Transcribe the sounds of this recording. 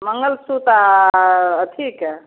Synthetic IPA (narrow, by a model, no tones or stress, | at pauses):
məŋɡəlsut̪a | ət̪ʰik